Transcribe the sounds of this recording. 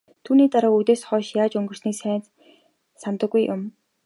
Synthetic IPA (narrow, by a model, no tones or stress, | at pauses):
t̪ʰuːniːt̪aɾaːut̪eːsχɔːʃjaːt͡ɕɵŋɡɵ̆rsniːksæːnt͡s | samt̪ə̆ɡːujʔʊm